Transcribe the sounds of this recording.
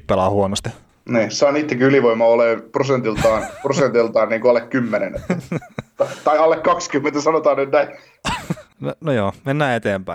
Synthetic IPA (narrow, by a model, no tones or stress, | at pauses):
ppelɑːhuonost̪i̥ | niːsɑːnit̪ːekiyliʋoimɑoleːprosent̪ilt̪ɑːnprosent̪ilt̪ɑːnniːŋkoɑlːekkymːenenet̪æt̪ɑt̪ɑiɑlːekkɑkskymːent̪æsɑnot̪ɑːnnyt̪næi | nonojoːmenːæːet̪eːmpæi